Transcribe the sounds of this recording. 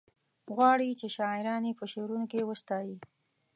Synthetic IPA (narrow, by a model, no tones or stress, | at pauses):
ɣwɑɽit͡ʃeʃɑɪɾɑnepəʃewɾunokewəst̪ɑji